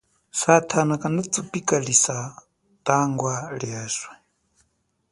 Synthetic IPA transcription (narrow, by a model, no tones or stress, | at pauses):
satʰanakʼanat͡supʼikʼaɺisa | tʼaŋɡwaɺiɛːswɛ